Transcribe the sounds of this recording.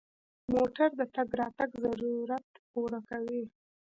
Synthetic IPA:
moʈaɾd̪ət̪aɡɾɑt̪aɡzaɾuɾat̪poɾakawi

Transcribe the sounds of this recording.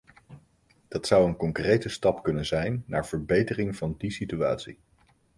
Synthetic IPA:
d̥ɑtsʌwənkɔŋkrejtəstɑpkɵnənzɛjnːa̰ːɹv̥əɹbejtərɪŋv̥ɑndisitya̰ːtsḭ

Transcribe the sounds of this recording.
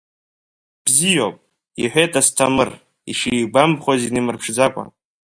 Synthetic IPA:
b̥zijowpʼ | ḭħʷᶣetʼastʰamɨr | iʂibambχozinɨmɨrpʰʂd͡zakʷʼa̰n

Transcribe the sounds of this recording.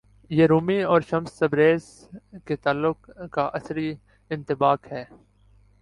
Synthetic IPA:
jeːɾuːmiɔːɾʃɐmsːɐbɾeːz | ket̪aːlːʊkkaʔɐsɾi | ɪ̃nt̪ɪbaːkhɛː

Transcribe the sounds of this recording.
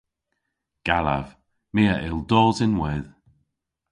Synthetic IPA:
ɡ̥ala̰v̥ | meːaʔɪlˠdɔːzɪnwɛð

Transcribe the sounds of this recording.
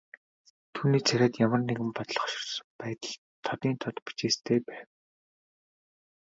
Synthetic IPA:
t̪ʰuːniːt͡sʰæɾʲæːt̪jamə̆rneɣɘ̆mpɔt̪ɮɞ̆χʃɪ̥̆rsmpæːt̪ə̆ɮ | t̪ʰːɔt̪iːnt̪ʰɔt̪pi̥t͡ɕeːst̪ʰeːpæːw

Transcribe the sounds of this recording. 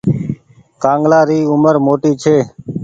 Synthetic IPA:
kãːŋɡlaːɾiːʊməɾmoːʈiːt͡ʃʰeː

